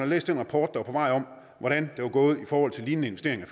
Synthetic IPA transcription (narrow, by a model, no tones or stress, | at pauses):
nhɑ̈lḛːsd̥enʁɑ̈pʰɒːd̥̚d̥ɑʋɑɐpʰɒ̽ʋɑ̈ɪ̰ɒ̽m | ʋɒɾ̥ænd̥e̝ʋɑ̈ɡ̥ɔːð̞̩ˠifɒːhɒ̽l̰t͡sʰe̝liːnnəenʋesd̥e̝ɐ̰e̝ŋɐ